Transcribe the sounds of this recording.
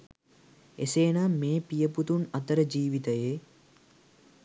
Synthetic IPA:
eseːnameːpijəput̪unɐt̪əɾəd͡ʒiːʋit̪əje

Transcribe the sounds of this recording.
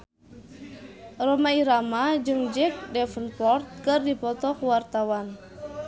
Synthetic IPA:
rɔmaiɾamad͡ʒɨŋd͡ʒɛk̚dɛfənpɔrt̪̚kɨrdipɔt̪ɔkuwart̪awan

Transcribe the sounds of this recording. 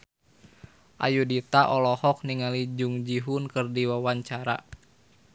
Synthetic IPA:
ʔa̰judit̪aʔɔlɔhɔk̚niŋalid͡ʒuŋd͡ʒiɦunkɨrdiwawaɲt͡ʃaɾa̰

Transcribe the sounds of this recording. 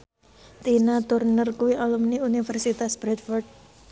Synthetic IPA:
t̪inat̪urnərkuwiʔalumniunifərsit̪asb̥ɾɛt̪̚fɔrd̚

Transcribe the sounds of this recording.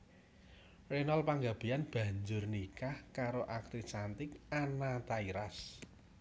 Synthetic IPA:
renɔlpaŋɡab̥ejanb̥ä̤ɲd͡ʒʊrnikahkaɾoʔak̚t̪isant̪ɪkanat̪aiɾas

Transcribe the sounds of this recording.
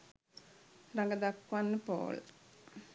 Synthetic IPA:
raŋɡəd̪akːʋanːəpo̰ːl

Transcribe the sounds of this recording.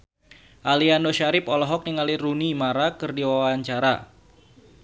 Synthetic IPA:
ʔalianoʃaɾɪpɔlɔɦɔk̚niŋalirunimaɾakɨrdiwawaɲt͡ʃaɾa

